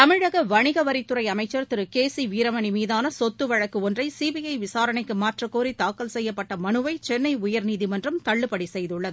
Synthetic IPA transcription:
t̪ɐmɪɻɐɣɐʋɐɳɪɣɐʋɐɾɪt̪ːɯɾɐɪɐmɐɪt͡ʃːɐɾt̪ɪɾɯkeːsiʋiːɾɐmɐnimiːðaːnɐsɔt̪ːɯʋɐɻɐkːɯɔndrɐɪsiːbijɐɪʋɪsaːɾɐɳɐɪkːɯmaːʈrɐkːoːɾit̪aːkːɐlsɛjːɐpːɐʈːɐmɐnɯʋɐɪt͡ʃɛnːɐɪʊjɐɾniːðimɐndrɐmt̪ɐɭːɯpːɐɽisɛjðɯɭːɐðɯɯ

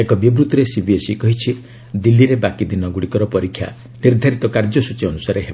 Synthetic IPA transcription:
ekɔbibɾut̪ɔɾesibiesikɔɦit͡ʃʰi | d̪ilːiɾebakid̪inɔɡuɽikɔɾɔpɔɾikʰːja̰ | niɾd̪ʱaɾit̪ɔkaɾd͡ʒɔsut͡ʃiɔnusaɾeɦeb

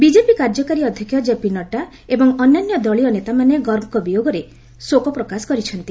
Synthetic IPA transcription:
bid͡ʒepikaɾd͡ʒɔkaɾiɔd̪ʱikʰjɔd͡ʒepinɔʈa | ebɔŋɔnjanjɔd̪ɔɭiɔnet̪amaneɡɔɾɡɔkɔbijoɡɔɾe | sokɔpɾɔkasɔ̥kɔɾit͡ʃʰɔnt̪i

